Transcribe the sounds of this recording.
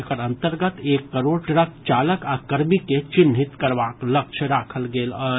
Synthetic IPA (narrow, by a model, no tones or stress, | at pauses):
kəɾɐ̃nt̪əɾɡət̪eːkːəɾoːɾʈɾəkt͡ʃaːləkaːkəɾmiket͡ʃɪnɦɪt̪kəɾʋaːklək̚t͡ʃʰɾaːkʰəlɡeːlə